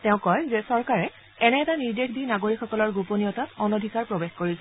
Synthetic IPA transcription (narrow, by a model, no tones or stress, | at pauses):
tɛʊ̃kɔjzɛsɔɹkaɹɛ | ɛnɛːtaniɹdekʰdinaɡoɹikʰxɔkɔlɔɹɡuponijɔtatɔnodʱikaɹpɹobexkoɹisɛ